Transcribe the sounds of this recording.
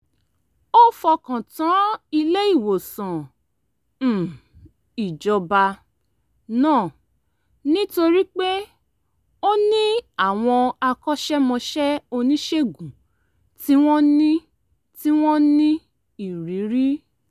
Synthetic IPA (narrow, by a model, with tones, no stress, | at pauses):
o˦fɔ˧kã˨tã˨˦i˧le˦i˦˨wo˨sã˨ | i˨d͡ʒɔ˧ba˧ | nãː˦˨ | nĩ˦to˧ɾi˦k͡pe˦ | o˦nĩ˦a˦˨w̃ɔ̃˧a˧kɔ˦ʃɛ˦mɔ̃˧ʃɛ˦o˧nĩ˦ʃe˦ɡũ˨ | ti˦w̃ɔ̃˦nĩ˦ | ti˦w̃ɔ̃˦nĩ˦ | i˦˨ɾi˨˦ɾi˦